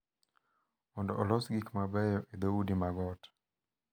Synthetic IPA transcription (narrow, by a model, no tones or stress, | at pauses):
ɔndɔʔɔlɔsɡikmabɛjɔʔid̪ɛudimaɡɔtḁ